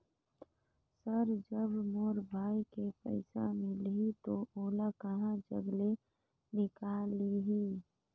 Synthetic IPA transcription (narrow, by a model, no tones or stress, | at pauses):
səɾd͡ʒəbmoːɾbʱaːikepə̰ɪsa̰mɪlɦit̪oʔoːlakəɦãd͡ʒə̰ɡle | nɪkaːliɦiː